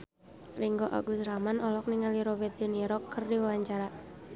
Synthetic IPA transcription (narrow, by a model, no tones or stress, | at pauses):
riŋɡoʔa̰ɡusɾamanɔlɔk̚niŋaliɾɔbɛt̪̚dɛniɾɔkːərdiwawaɲt͡ʃaɾa